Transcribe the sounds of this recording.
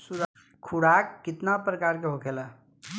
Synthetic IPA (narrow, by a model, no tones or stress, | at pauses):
suɾ | kʰuɽakːɪt̪napɾəkaːɾkeɦokʰela